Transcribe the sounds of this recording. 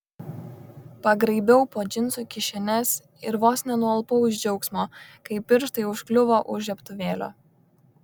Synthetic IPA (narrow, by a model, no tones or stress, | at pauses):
pɐɡɾɐɪbʲɛʊpoːd͡ʒʲɪnˑsukʲɪʃʲɛnʲɛs | ɪɾʋoːsʲnʲɛnuɐlˠpɐʊʒʲd͡ʒʲɛʊksmoːkɐɪpʲːɪɾʃt̪ɐɪʊʃklʲʊʋoːʔʊʒʲɛpt̪ʊʋʲeːlʲo̰ː